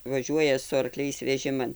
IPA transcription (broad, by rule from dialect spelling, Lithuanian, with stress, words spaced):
ʋɐˈʒʲuɔjɛ sʊ ɐrˈklʲɛɪs ʋʲɛˈʒʲɪmɐn